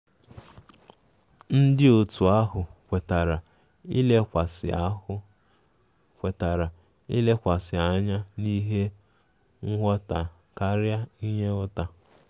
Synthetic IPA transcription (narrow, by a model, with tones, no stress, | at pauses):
n̩˦dɪ˦o˨tu˨a˦ɦʊ˨kʷe˨ta˨ɾa˨ | i˦le˦kʷa˨sɪ˨a˦ʊ˦ | kʷe˨ta˨ɾa˨ | ḭ˦le˦kʷa˨sɪ˨a˦ɲa˦ni˦ɦe˦ | ŋ̩˦ɦɔ˦ta˨ | ka˦ɾja˦i˦ɲe˦ʊ˦ta˨